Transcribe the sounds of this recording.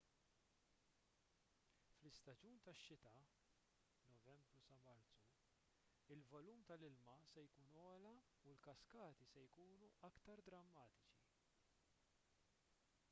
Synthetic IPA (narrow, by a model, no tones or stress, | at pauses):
flɪst̪ɐd͡ʒuːnt̪ɐʃːɪt̪ɐ | nɔvɛmbɾusɐmɐɾt͡su | ɪlvɔluːmt̪ɐlɪlmɐsɛjkuːnɔːlɐ | ulkɐskɐːt̪isɛjkuːnuʔɐkt̪ɐɾd̪ɾɐmːɐːt̪ɪt͡ʃi